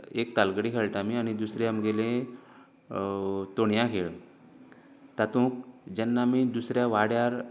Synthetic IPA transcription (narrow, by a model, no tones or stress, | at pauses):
ek̚t̪alɡəɽikʰeɭʈ̪amiañid̪usɾẽamɡelẽ | t̪oɳjãkʰeɭ | t̪at̪ũːk̚d͡ʑɛnːamiːd̪usɾjaʋaɽjaɾ